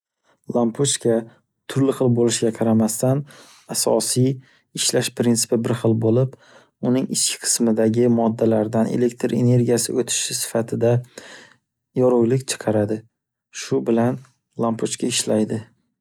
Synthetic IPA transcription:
lˠampʰot͡ʃkʲʰa | t̪ʰʊɾlɪχɨlˠbolɪʃɡʲaqʰɑɾamast̪an | asɒ̰sij | ɪʃlaʃpʰɾɪnt̪sɪ̥pɪbɪɾχɨlˠbolɪp | ʊnɪŋɪt͡ʃkʲʰɪ̥qʰɨ̥smɪd̪aɡʲɪmɒd̪ːalaɾd̪anḛle̞k̚ʲt̪ʰɾe̞ne̞ɾɡʲijasɪot̪ʰɪ̥ʃɪsɪ̥fat̪ʰɪd̪a | jɒɾʊjlɪkʲt͡ʃʰɨ̥qʰɑɾad̪ɪ | ʃʊbɪlan | lˠampʰot͡ʃkʲʰaɪʃlajd̪ɪ

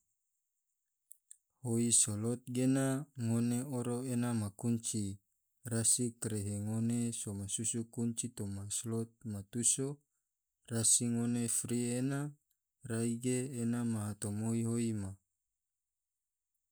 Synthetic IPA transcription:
hoisolot̪̚ɡenaŋoneoɾoenamakuɲt͡ʃi | rasikɾeɦeŋonesomasusukuɲt͡ʃit̪omaslot̪̚mat̪uso | rasiŋonefɾiena | raiɡeːnamaɦat̪omoiɦoima

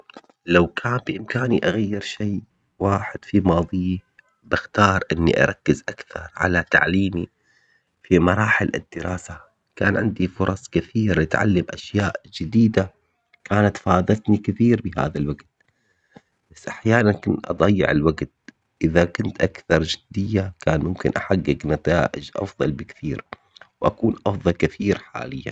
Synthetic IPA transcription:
lawkʰaːnbɪʔɪmkaːniʔaɣajːɪɾʃeː | waːħɪd̪̥fimɑːðˤiː | bɪxt̪ɑːɾˤʔɪnːḭʔɑ̰ɾˤɑkːɪzʔakθɑ̰ɾˤʕa̰lat̪a̰ʕliːmi | fimɑɾˤɑːħɪlʔɪ̰d̪ːɪɾɑːsa | kaːnʕɪ̰nd̪ifʊɾˤɑsˤkɪθiːɾlɪt̪ʕa̰lːamʔa̰ʃjaːʔd͡ʒɪd̪iːd̪a | kaːnat̪fɑːðɑlt̪nikɪθiːɾbɪɦa̰ːðalwaɡt̪̚ | b̥asːʔaħjaːnankʊnt̪ʔɑ̰d̪ˤɑjːɪ̰ʕɪ̰lwaɡt̪̚ | ʔɪðakʊnt̪ʔakθɑɾˤd͡ʒɪd̪̥ːɪjːakaːnmʊmkɪ̰nʔaħaɡːɪɡnat̪a̰ːʔɪd͡ʒʔɑ̰fðˤɑ̰lbɪkθiːɾ | wʔakuːnʔɑfðˤɑlkɪθiːɾħa̰ːlɪjːa̰

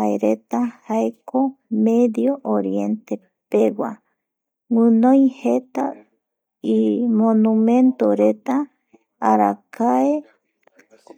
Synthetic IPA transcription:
aḛɾet̪ahaekomeðjoʔoɾjent̪e | pewa | ŋɨnõjhet̪a | imõnũmẽnt̪oɾet̪aː | ɾa̰kʰae

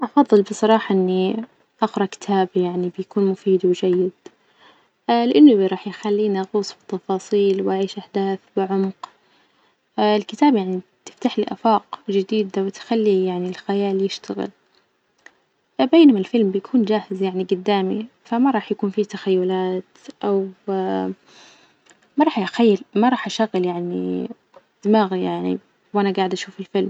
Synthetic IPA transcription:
ʔɑfɑðˤːɨlbɨsˤɑɾˤɑːħɑʔɪnːi | ʔɑqɾˤɑkɪ̥t̪ʰaːbijaʕnibɪjakuːnmʊfiːd̪wɪd͡ʒajːɪd̪̥ | lɪʔanːʊbɾˤɑːħjxalːiːnʔɣuːsˤbɪt̪ːɑfɑːsˤiːlwʔaʕiːʃʔaħd̪aːθbɪʕʊmq | ɪlkɪt̪aːbjaʕnit̪ɪ̥ft̪aħliʔa̰fɑːqd͡ʒɪd̪iːd̪awɪt̪xalːijaʕnilxajaːljɪʃt̪aɣɪ̰l | beːnamalfɪlmbɪjakʰuːnd͡ʒaːhɪzjaʕniɡʊd̪ːaːmḭfamaɾˤɑːħjakuːnfit̪axajːʊlaːt̪ʔaw | mɑɾˤɑːħʔaxajːalmaɾˤɑːħʔaʃaɣɪljaʕnḭ | d̪̥ɪmaːɣijaʕnḭ | wʔanaɡaːʕɪd̪ʔaʃuːfɪlfɪlm

